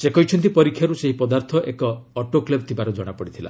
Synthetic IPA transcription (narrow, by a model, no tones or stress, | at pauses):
sekɔɦit͡ʃʰɔnt̪̬ipɔɾikʰːjaɾuseɦipɔd̪aɾt̪ʰɔʔekɔːʈokleb̚t̪ʰibaɾɔd͡ʒɔɽ̃apɔɽit̪ʰila̰